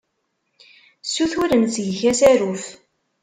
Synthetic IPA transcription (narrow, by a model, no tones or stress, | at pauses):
sːuθʊɾənsʝçæsæɾuf